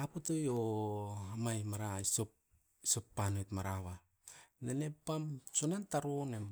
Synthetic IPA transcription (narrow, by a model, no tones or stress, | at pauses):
apotojo | amajmaɾaisop̚ | isopːanojtmaɾaβa | nene̞pːamsonantaɾonem